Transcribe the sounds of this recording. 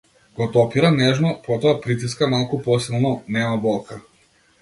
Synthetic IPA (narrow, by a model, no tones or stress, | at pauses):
ɡ̥ɔt̪ɔpiɾanɛʒnɔpɔt̪ɔapɾit̪̬is̬kamalˠkupɔsilˠnɔnɛmabɔlˠkʰa